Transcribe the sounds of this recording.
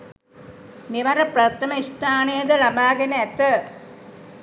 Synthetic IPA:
meʋɐɾɐprɐt̪ɐmɐist̪ʰaːnejɐd̪əlabaːɡenəɛt̪ːə

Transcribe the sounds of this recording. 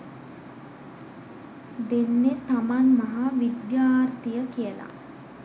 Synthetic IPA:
d̪enːet̪amanmaɦaʋid̪jaːrt̪ijəkijəla̰

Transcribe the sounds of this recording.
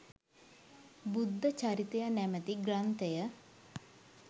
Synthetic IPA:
bud̪ʱːət͡ʃaɾit̪ejanæmət̪iɡrant̪ejə

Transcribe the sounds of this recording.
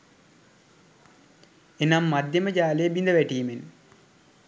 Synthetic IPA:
enamːad̪jeməd͡ʒaːlejəbind̪əʋæʈiːmen

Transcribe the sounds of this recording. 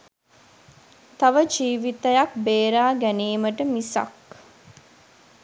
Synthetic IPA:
t̪ɐʋəd͡ʒiːʋit̪əjɐk̚beːɾaːɡæniːməʈəmisa̰k

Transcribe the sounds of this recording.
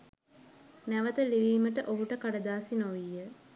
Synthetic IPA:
næʋət̪əliʋiːməʈəʔoɦuʈəkaɖəd̪aːsinoʋijːə

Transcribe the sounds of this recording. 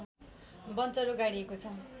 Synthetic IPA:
bʌnt͡sʌɾuɡaɽiekot͡sʰʌ

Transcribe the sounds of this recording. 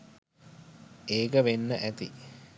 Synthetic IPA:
eːkəʋenːəʔæt̪ḭ

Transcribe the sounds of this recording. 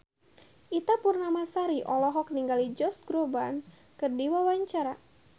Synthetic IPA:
ʔit̪apurnamasaɾiʔɔlɔɦɔk̚niŋɡalid͡ʒɔsɡɾoban | kərdiwawaɲt͡ʃaɾa

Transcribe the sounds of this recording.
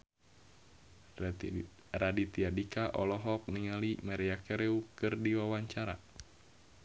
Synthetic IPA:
radit̪iadikaʔɔlɔɦɔk̚niŋalimaɾiakɛɾeukɨrdiwawaɲt͡ʃaɾa

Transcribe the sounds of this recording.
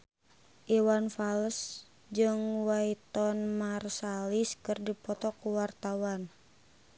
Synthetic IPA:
ʔiwanfaləs | d͡ʒɨŋwait̪ɔnmarsaliskɨrdipɔt̪ɔkuwart̪awan

